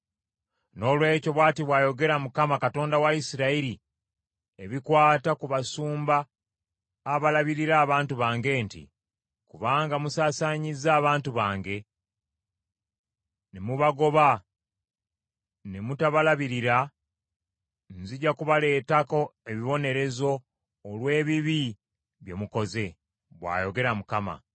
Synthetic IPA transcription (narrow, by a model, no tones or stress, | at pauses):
no̞ːlwe̞ːco̞βwaːtiβwaːjo̞ɡe̞ɾamukamakato̞ːndawaisiɾaiɾi | eβikwaːtakuβasuːmbaː | βalaβiɾiɾaːβaːntuβaːŋɡe̞ːntḭ | kuβaːŋɡamusaːsaɲizaːβaːntuβaːŋɡe̞ | ne̞muβaɡo̞βa | ne̞mutaβalaβiɾiɾa | nziɟakuβale̞ːtako̞e̞βiβo̞ne̞ɾe̞zo̞ː | lwe̞ːβiβi | βje̞muko̞ze̞ | βwa̰ːjo̞ɡe̞ɾamukama̰